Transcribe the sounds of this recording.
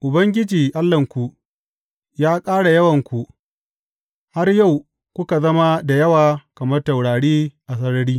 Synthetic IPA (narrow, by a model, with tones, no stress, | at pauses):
ʔʊ˨bɐ˦ŋɡʲɪ˦d͡ʒiː˨ʔa˦lːɐ˨ŋkʷu˨ | jaː˦kʼaː˦ɽa˨jɐ˦wɐ˨ŋkʷu˨ | ha˦rja˦˨w | kʷʊ˦ka˨zɐ˦ma˦da˨jɐ˦waː˨kɐ˨mɐ˦rta˨wɽaː˨ɽiː˦ʔa˨s̬ɐ˦ɽɐ˦ɽiː˦